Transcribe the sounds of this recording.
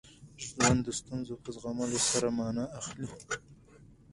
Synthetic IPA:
ʒwand̪əst̪unzopəzɣamalosaɾamɑnaaxli

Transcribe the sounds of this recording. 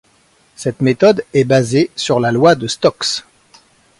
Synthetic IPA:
sɛt̪met̪ɔd̪ɛbazesyʁlalwad̪əst̪ɔks

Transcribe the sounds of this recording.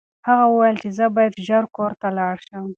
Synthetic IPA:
haɣawəwajəlt͡ʃezəbɑjad̪ʒaɾkoɾt̪alɑɽʃəm

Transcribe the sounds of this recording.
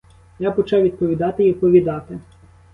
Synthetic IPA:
japɔt͡ʃɛʋʲid̪̚pɔʋʲid̪ɑt̪ɪʋʲid̪̚pɔʋʲid̪ɑt̪ɪ

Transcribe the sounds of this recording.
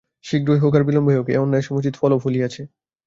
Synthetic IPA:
ʃikɾoiɦokaɾbilomboɦeokeonːaeʃɔmut͡ɕit̪fɔlofʰuliat͡ɕʰe

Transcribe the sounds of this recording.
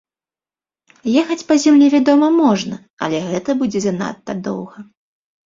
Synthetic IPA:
jɛxɐt͡sʲpɐzʲamlʲivʲad̪ɔmɐmɔʐnɐ | ɐ̰lʲɛɣɛt̪ɐbud͡zʲɛzʲɛna̰t̪ːɐd̪ɔ̰wɣɐ

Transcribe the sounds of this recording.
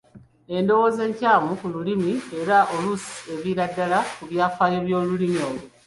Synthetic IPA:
e̞ndo̞wo̞ːze̞ːɲcaːmukululimie̞ɾaʔolusi̥e̞βiɾadːalakuβjaːfaːjo̞βjo̞ːlulimio̞ːlu

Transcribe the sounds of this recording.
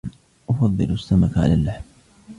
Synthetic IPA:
ʔʊfɑðˤːɨlʊsːamakʕa̰laːlːaħm

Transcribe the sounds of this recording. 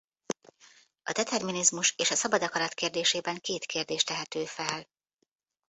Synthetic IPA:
ɒd̪ɛt̪ɛrminizmuʃeːʃɒsɒbɒd̪ɒkɒɾɒt̪keːrd̪eːʃeːbɛŋkeːt̪keːrd̪eːʃt̪ɛɦɛt̪øːfɛl

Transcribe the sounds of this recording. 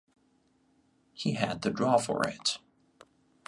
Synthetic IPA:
hiɨd̪̚ðɨdɹɔfə̰ɹɪ̰t

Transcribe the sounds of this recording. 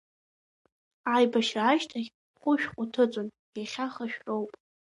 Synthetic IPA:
ajbaʃraːʃtʰaɡʲ | χʷʊʃᶣqʷʼʊtʰɨt͡sʼon | ejχʲaχaʃᶣrowpʼ

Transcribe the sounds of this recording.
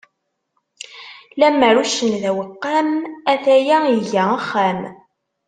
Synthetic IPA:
læməɾuʃənðæwəqːamæθæjæiʝæəχːæm

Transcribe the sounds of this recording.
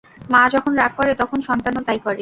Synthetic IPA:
mãd͡ʑɔkʰonɾaɡ̚kɔɾet̪ɔkʰonʃɔnt̪anot̪ajkɔɾe

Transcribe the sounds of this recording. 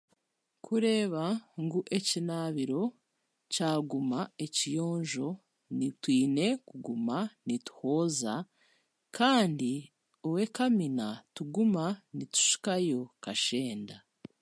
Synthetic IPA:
kʰuɾe̞ːβaŋɡuʔe̞cinaːβiɾo̞ | caːɡumaecijo̞ːɲʒo̞ | nitwiːne̞kuɡumanitu̥ho̞za | kʰaːndi | owe̞kaminatuɡumanitu̥ʃi̥kajo̞kaʃe̞ːnda

